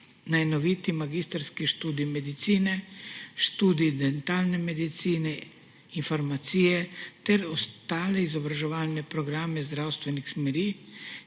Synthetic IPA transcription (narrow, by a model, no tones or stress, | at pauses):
najnɔʋiːt̪imaɡiːst̪əɾskiʃt̪uːd̪iːmɛd̪it̪siːnɛʃt̪uːd̪id̪ɛnt̪aːlnɛmɛd̪it̪siːnɛ | infɔɾmat̪siːjɛt̪ɛɾɔst̪aːlɛizɔbɾaʒɛʋaːlnɛpɾɔɡɾaːmɛzd̪ɾawst̪ʋɛnixsmɛɾiː